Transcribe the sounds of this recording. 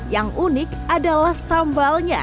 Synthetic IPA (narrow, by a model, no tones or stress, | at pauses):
jaŋunɪk̚ | adalahsambalɲa̰